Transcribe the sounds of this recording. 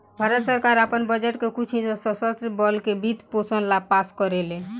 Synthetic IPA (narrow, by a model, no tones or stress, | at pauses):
bʱaɾət̪səɾkaɾapənbəd͡ʒeʈkekut͡ʃʰisɔsɔsət̪ɾbɔlkebʱit̪posənlapaskɔɾelẽ